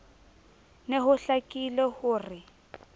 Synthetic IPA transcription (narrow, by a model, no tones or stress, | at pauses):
neɦʊɬakʼilɛhʊːrɪ